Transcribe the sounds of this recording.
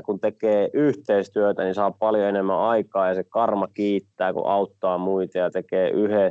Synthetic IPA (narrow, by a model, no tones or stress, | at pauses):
kunt̪ekeːʔyht̪eist̪yøt̪ænisɑːppɑljoenemːæ̰ɑikɑːjɑsekɑrmɑkiːt̪ːæːkṵʔɑut̪ːɑːmuit̪ɑjɑt̪ekeːʔyhe